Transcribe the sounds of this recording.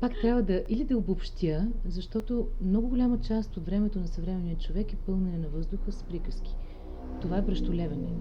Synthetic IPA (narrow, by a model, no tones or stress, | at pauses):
pakt̪ɾʲavvəd̪ɐʔilid̪ɐobopʃt̪jəzɐʃt̪ɔt̪omnɔɡʊɡolʲamət͡ʃast̪ot̪vɾɛmɛt̪onɐsɐvɾɛmɛnijət͡ʃovɛkɛpɤlˠnɛnɛnɐvɤzd̪ʊxəspɾikəsk̟i̥ | t̪ovaɛbɾɐʃt̪ʊlʲɛvɛnɛ